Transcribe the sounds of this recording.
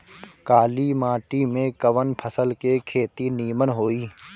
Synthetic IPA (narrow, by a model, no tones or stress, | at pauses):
kaːlimaːʈimẽkəʋənpʰəsəlkekʰeːt̪iniːmənɦoːiː